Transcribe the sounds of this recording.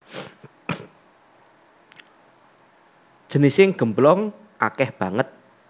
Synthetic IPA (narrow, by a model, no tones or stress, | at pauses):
d̥ʒ̥ə̤nisɪŋɡ̥ə̤mblɔŋ | ʔakɛhb̥ä̤ŋət̪̚